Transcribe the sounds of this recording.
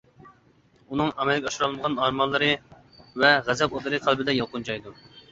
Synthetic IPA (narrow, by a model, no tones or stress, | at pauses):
unɨŋɑmɛlɡʲɑʃɾɑlˠɨnəʁɑnɑɾmɑlˠːɨɾɨ | vɛʁæzɛpod̪ɨɾɨqʰælˠbɪd̪ɛjɑqʊnt͡ʃʰɑjd̪u